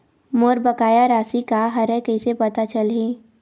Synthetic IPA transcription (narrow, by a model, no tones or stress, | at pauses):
moːɾbəkaːjaɾaːsikaɦɐɾɛ̃kəisepɐt̪at͡ʃəleː